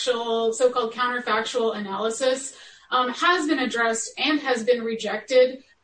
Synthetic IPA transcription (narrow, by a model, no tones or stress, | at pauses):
ʃl̩ˠsoʊkʰɔlˠd̚kʰãʊ̃ntə˞fæk̚t͡ʃəl̩ˠənælˠəsɪs | həzbɨ̃nɨdɹɛstɨ̃nɨzbɨ̃nɹɨd͡ʒɛk̚tɪd